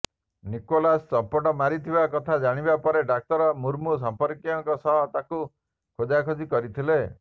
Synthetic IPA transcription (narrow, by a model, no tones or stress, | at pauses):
nikolassɔmpɔʈɔmaɾit̪ʰibakɔt̪ʰad͡ʒaɽ̃ibapɔɾeɖak̚t̪ɔɾɔmuɾmus̬ɔmpɔɾkiɔŋkɔsɔɦt̪aku | kʰod̪akʰod͡ʒikɔɾit̪ʰile